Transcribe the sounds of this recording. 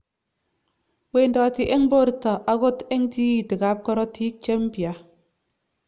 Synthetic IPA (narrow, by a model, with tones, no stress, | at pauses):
we˦˨ndɔ˨ti˨ʔe˦ŋ˦bo˦ɾta˨ʔa˦ɡo˦te˦ŋti˦ji˨ti˨ka˨˦p̚kɔ˦ɾɔ˦tʰi˦k̚t͡ʃe˦m˦pja˨